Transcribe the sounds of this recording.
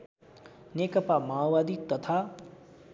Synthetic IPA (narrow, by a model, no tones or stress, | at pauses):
nekʌpamawad̪it̪ʌt̪ʰa